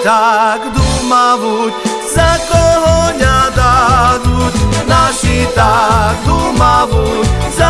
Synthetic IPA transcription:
t̪akd̪umaʋut͡ʃ | zɐkoɦoɲad̪ad̪ut͡ʃnaʃit̪ak̚d̪umaʋuzɐ

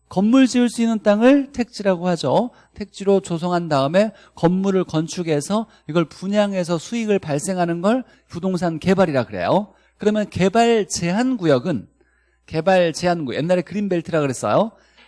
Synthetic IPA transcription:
kʌmːuɭd͡ʑiuɭs͈uinːɯnt͈aŋɯɭtʰe̞k̚t͡ɕ͈iɾaɡohad͡ʑo | tʰe̞k̚t͡ɕ͈iɾot͡ɕosʰʌŋɦandaɯme̞ | kʌmːuɾɯɭkʌnt͡ɕʰuɡe̞sʰʌ | iɡʌɭpuɲaŋe̞s̬ʰʌsʰuiɡɯɭpaɭs͈e̞ŋɦanɯnɡʌɭ | pudoŋs̬ʰanke̞baɾiɾaɡɯɾe̞̰jo | kɯɾʌmjʌnke̞baɭt͡ɕe̞ɦanɡujʌɡɯn | ke̞baɭt͡ɕe̞ɦanɡujʔe̞̰nːaɾe̞kɯɾimbe̞ɭtʰɯɾaɡɯɾe̞s͈ʌ̰jo

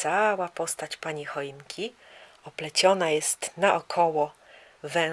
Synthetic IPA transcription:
sawapɔst̪at͡ɕpaɲixɔjnkʲʰi | ɔplɛt͡ɕɔnajɛst̪naʔɔkʰɔwɔ | vɛ̃

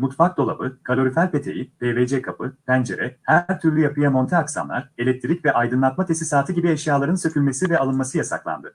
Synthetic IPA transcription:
mut̪fak̚d̪o̞lˠa̰bɯkʰalʲo̞ɾyfælʲpʰe̞t̪ʰe̞̰jib̥eːved͡ʒekʰapɯpʰænd͡ʒe̞̰ɾɛhæɾt̪ʰyɾlʲyjapɯjamo̞nt̪ʰeaksa̰nlˠa̰ɾelʲɛc̚t̪ʰiɾicvɛʔajd̪ɯnlˠat̪mat̪ʰe̞sisaːt̪ʰɯɟibiɛʃjaːlˠaɾɯnsø̞cʰʲylʲmesivɛalˠɯnmasɯjasa̰klˠa̰nd̪ɯ

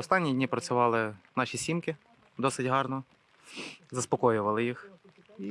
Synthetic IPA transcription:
ɔst̪ɑnʲːidʲnʲipɾɐt͡sʲʊʋɑlˠɪnɑʃʲisʲimkɪ | d̪ɔsɪtʲɦɑrnɔ | zɐspɔkɔjʊʋɐlˠɪjix

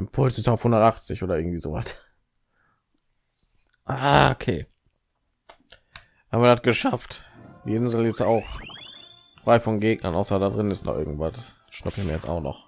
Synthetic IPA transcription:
ʔɪmpʰʊlsɪstaʊfhʊndɐtʔaχt͡sɪçʔoːdɐʔɪɐɡŋ̩tv̥iːzoːvat | ʔaːokʰḛː | haːm̩viɐdat̚ɡ̥əʃaftd̥ḭɪnzlɪstaʊx | fʁ̥aɪfɔnɡeːɡnɐnʔa̰ʊsɐdadʁɪnnɪstnɔ̰χʔɪ̰ɐɡŋ̩tv̥at | ʃnʊpɪçmiːjɛt͡sta̰ʊxnɔ̰χ

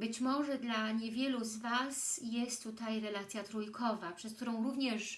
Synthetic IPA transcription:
bɘt͡ɕmɔʐɛd̪laɲevʲjɛluzvasjɛst̪ːut̪ajɾɛlat̪sʲjat̪ɾujkʰɔvapʂɛsk̚t̪uɾɔ̃w̃ɾuvɲɛʂ

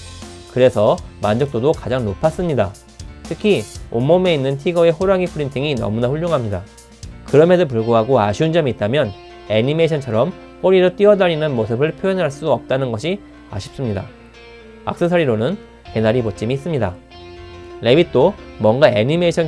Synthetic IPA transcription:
kɯɾe̞sʰʌmand͡ʑʌk̚t͈odokad͡ʑaŋnopʰas͈ɯmɲida | tʰɯkʰiomːʌme̞inːɯntʰiɡʌe̞ɦoɾaɡipʰɯɾintʰiŋinʌ̰munaɸuʎːjoŋɦamɲida | kɯɾʌme̞dop̬uɭɡoɦaɡoaɕʰiund͡ʑʌmiːt̚t͈amjʌn | e̞ɲimeɕʰʌnt͡ɕʰʌɾʌm | k͈oɾiɾʌt͈ɥiʌdaɾinɯnmos̬ʰɯbɯɭpʰjojʌnɦaɭs͈udʌp̚t͈anɯnɡʌɕʰi | a̰ɕʰi̥p̚s͈ɯmɲida | a̰k̚s͈ɯsʰʌɾiɾonɯn | ke̞naɾibot͡ɕ͈imiːs͈ɯmɲida | le̞bit̚t͈omwʌŋɡaeɲimeɕʰʌn

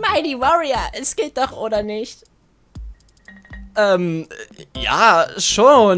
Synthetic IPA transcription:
maɪdivɔʁiaʔɛsɡ̥eːt̚d̥ɔχʔoːɾɐnɪçt | ʔɛːm | ja̰ːʃoːn

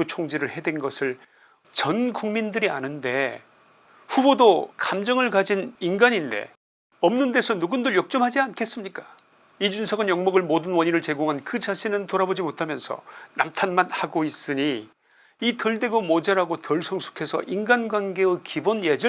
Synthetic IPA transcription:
ut͡ɕʰoŋd͡ʑiɾɯɭhe̞dwenɡʌsʰɯɭ | t͡ɕʌnkuŋmindɯɾia̰nɯnde̞ | ɸubodokamd͡ʑʌŋɯɭkad͡ʑininɡaɲinde̞̰ | ʌmnɯnde̞sʰʌnuɡundɯɭjok̚t͡ɕ͈ʌmɦad͡ʑiankʰe̞s͈ɯmɲik͈ḁ | id͡ʑunsʰʌɡɯnjʌŋmʌɡɯɭmodɯnwʌɲinɯɭt͡ɕe̞ɡoŋɦankɯt͡ɕaɕʰinɯntoɾabod͡ʑimotʰamjʌnsʰʌ̰na̰mtʰanmanhaɡois͈ɯɲi | itʌɭde̞ɡomod͡ʑaɾaɡotʌɭsʰʌŋsʰu̥kʰe̞sʰʌ̰ʔinɡanɡwanɡe̞ɯkʰibonjed͡ʑɯ

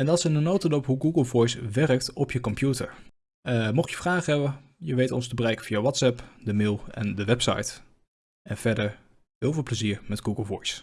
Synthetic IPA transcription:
ɛndɑtsɪndənowtədɔpɦuɡuɡəlˠvɔjsʋɛrək̚tɔpjəkɔmpjutə̰ɹ | mɔχjəfraːχɦɛbən | jəʋejtɔ̰ns̬təbərɛjkənfijəʋɑtsɛpdəmɪːlˠɛndəʋɛpsɑ̰jt | ʔɛnv̥ɛɹdəɹ | ɦɪːlˠvɪːlˠpləziːɹmɛdɡuɡəlˠvɔjs

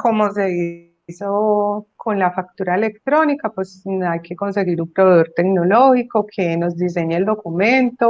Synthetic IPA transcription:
komos̬eði | sokʰonlafak̚t̪uɾaelekt̪ɾonikapwesajkeko̞ns̬e̞ɣiɾumpɾoβeðoɾt̪eknoloxikokʰenozd̪is̬e̞ɲeːld̪o̞kumẽnt̪o

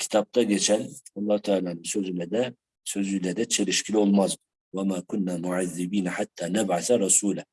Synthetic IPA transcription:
kɪ̥t̪aːb̚t̪ˤɑd̪jat͡ʃalɑlˤːɑːt̪alansozlad̪a | sozɪlad̪at̪t͡ʃalɪʃkɪlawlmɑzˤ | wamakʊnːamʊʕaðːɪbiːnħat̪ːanabʕaθaɾˤɑsuːla

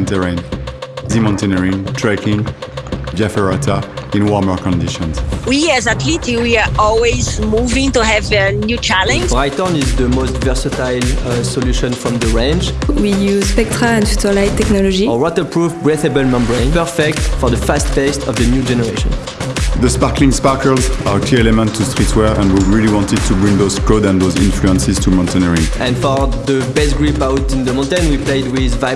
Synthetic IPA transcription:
ntɛɹɛ̃ndimɑ̃ntɛnɛɹĩŋtʰɹɛkĩŋ | d͡ʒafɛɹatʰaĩnwɔmə˞kɔ̃ndiʃɔ̃nzwiɛzat̪litiwiaɔlwizmuvɪ̃ŋtuɦɛvənjut͡ʃælɛ̃nɹajtɔ̃nizðəmostvɛɹsətajlsɔluʃɔ̃nfɹɔ̃mðəɹɛ̃nd͡ʒwijuzspɛk̚tɹaɛ̃nfutəlajtːɛknɔlɔd͡ʒiɔwɔtəpɹuvbɹɛθebəlmɔ̃mbɹẽnpɛɹfɛk̚tfɔɹðəfast̚bɛstʰɔvðənjud͡ʒɛnəɹeʃɔ̰̃n | ðəspaɹklĩŋspaɹkəlzakʰliɛlɛmə̃ntʰːustɹitwɛɹɛ̃nwiɹiliwɑ̃ntɨd̚tʰubɹĩŋðoz̥kʰodɛ̃nðozɪ̰̃nfluɛ̃nsɪz̥tʰumɔ̃ntɛ̃nɛɹĩŋʔɛ̃nfɔɹðəbɛstɡɹupawtĩnðəmɔ̃ntɛ̃nwiplejdwiðva

